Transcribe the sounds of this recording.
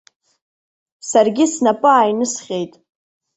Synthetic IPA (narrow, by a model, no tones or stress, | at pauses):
sarɡʲɪsnapʼɨajnɨsχʲejtʼ